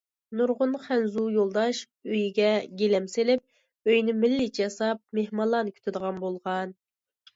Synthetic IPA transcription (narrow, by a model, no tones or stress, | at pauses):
nuɾʁʊnχænzujolˠd̪ɑʃ | øjiɡʲɛɡʲelɛmselɪp̚ | øjnɪmɪlːɪt͡ʃɑsɑp̚mehmɑlˠːɑnkʲʰy̥t̪ʰɪd̪əʁɑnbolˠʁɑn